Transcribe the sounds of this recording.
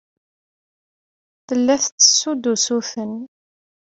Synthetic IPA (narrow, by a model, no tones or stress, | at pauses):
θəlːæθt͡sːə̥sːud̪usuθən